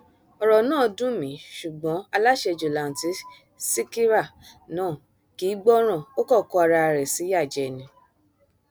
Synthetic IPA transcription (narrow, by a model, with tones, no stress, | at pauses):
ɔ˨ɾɔ˨nãː˦˨dũ˦mĩ˨˦ʃu˨ɡ͡bɔ̃˨˦a˧la˦ʃɛ˧˨d͡ʒo˨la˨n̩˨ti˨˦ | si˦ki˦ɾa˦˨nãː˦˨ | ki˨˦ɡ͡bɔ˦ɾ̃ã˦˨o˦kɔ˦˨kɔ˧a˧ɾa˧a˨ɾɛ˨si˨˦ja˦˨d͡ʒɛ˨nĩ˨˧˦